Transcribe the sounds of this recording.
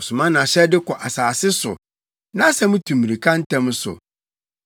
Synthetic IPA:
sʊ˨mã˦nã˨ɕɛ˦dɪ˦kʰɔ˨ʔa˨saː˨sɪ˦sʊ̰˨ | nã˦sɛ˦mʊ̃˦tʰũ˨mːĩ˨i˨kʰã˦n̩˦tʰɛ̃˦m˦sʊ̰˨

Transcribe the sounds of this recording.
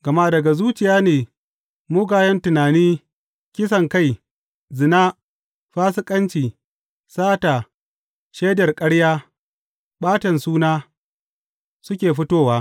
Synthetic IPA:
ɡ̥ɐ˨ma˦dɐ˨ɡa˨zuː˦t͡ʃɪ˨jaː˦neː˨ | mʊː˦ɡaː˨jɐ˦ntʊ˨naː˨niː˦ | kʲɪ˦s̬ɐ˨ŋka˦˨j | zɪ˨naː˦ | ɸaː˦s̬ɪ˦kʼɐ˦nt͡ʃiː˨ | saː˦taː˨ | ʃeː˦dɐ˨rkʼɐ˦ɽjaː˦ | ɓaː˦tɐ˨nsuː˦naː˦ | sʊ˦kʲeː˨ɸɪ˦toː˦waː˦

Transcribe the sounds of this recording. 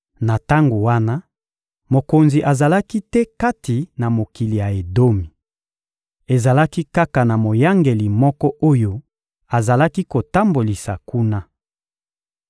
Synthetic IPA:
na˨ta˦ŋɡo˨wa˦na˦ | mo˨ko˨nzi˨ʔa˨za˨la˦ki˦tɛ˦ka˦ti˨na˨mo˨ki˨li˨ja˨e˨do˦mi˨ | e˨za˨la˦ki˦ka˦ka˨na˨mo˨ja˦ŋɡe˨li˨mɔ˦kɔ˦ʔo˦jo˦ | a˨za˨la˦ki˦ko˨ta˦mbo˨li˨sa˨ku˦na˦

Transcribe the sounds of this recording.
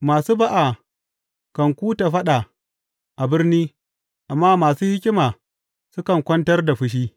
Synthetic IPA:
maː˨suː˦ba˦ʔa˨ | kɐ˨ŋkʷuː˦ta˨ɸɐ˦ɗa˨ | ʔa˨bɪ˦rniː˦ | ʔa˨mːaː˦maː˨suː˦hɪ˦kʲɪ˦maː˨ | sʊ˦kɐ˨ŋkʷɐ˦ntɐ˦rda˨ɸɪ˦ʃ̬iː˦

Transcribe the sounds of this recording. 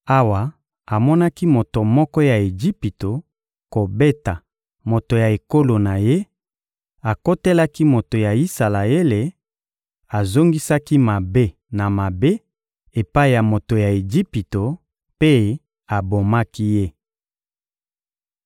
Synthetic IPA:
a˦wa˨ | a˨mɔ˦na˦ki˦mo˨to˨mɔ˦kɔ˦ja˨e˨d͡ʒi˦pi˨to˨ | ko˨be˦ta˨ | mo˨to˨ja˨e˨ko˦lo˨na˨je˦ | a˨ko˦te˦la˦ki˦mo˨to˨ja˨i˦sa˨la˨e˦le˨ | a˨zo˦ŋɡi˦sa˦ki˦ma˨be˦ | na˨ma˨be˦ | e˨pa˦i˨ja˨mo˨to˨ja˨e˨d͡ʒi˦pi˨to˨ | pe˦ | a˨bo˨ma˦ki˦je˦

